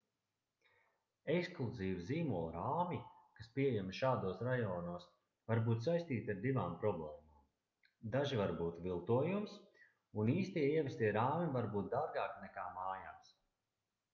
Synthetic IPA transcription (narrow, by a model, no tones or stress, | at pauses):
ɛksklˠuziːviziːmulˠɾaːmikaspiɛjɛmʃaːd̪uɔsɾajɔːnuɔs | vaɾbuːt̪sajst̪iːt̪ʲaɾd̪ivaːmpɾɔblˠɛːmaːm | d̪aʒivaɾbuːt̪vilˠt̪uɔjums | uniːst̪iɛiɛvʲɛst̪ʲiɛɾaːmivaɾbuːt̪̚d̪aɾɡaːknɛkaːmaːjaːms